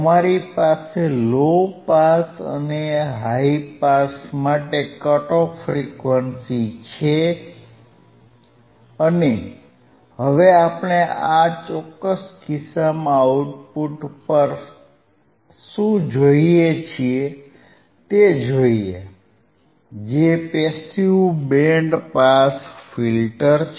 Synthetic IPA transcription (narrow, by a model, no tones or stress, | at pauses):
əmaɾipaselopasə̰neɦaipasmaʈekəʈofɾikʋənsit͡ʃʰe | əne | ɦəʋeapɽ̃eat͡ʃɔkːəskisamãuʈpuʈpəɾ | ʃũd͡ʒoiet͡ʃʰie | t̪ed͡ʒoie | d͡ʒepesiubeɳɖpasfilʈəɾ